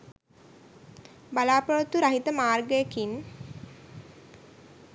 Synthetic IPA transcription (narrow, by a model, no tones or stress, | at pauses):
balaːpəʋət̪uɾaɦit̪əmaːrɡəjəkin